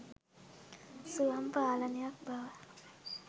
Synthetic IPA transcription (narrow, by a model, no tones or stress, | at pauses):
suampaːlaniak̚bawa